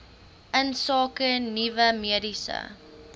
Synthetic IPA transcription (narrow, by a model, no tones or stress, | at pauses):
ʔənsɑːkənivəmiədisə̰